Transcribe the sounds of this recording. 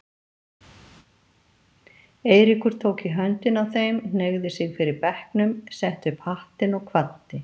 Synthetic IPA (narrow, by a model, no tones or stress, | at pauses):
eːjɾɪkʏɾ̥t̪ʰoːwciɦœnt̪ɪnawθejmnneɣðɪsɪɣfɪɾɪɾpɛhknʏmsɛht̪ʏpʰaht̪ɪnɔɣkʰvant̪ɪ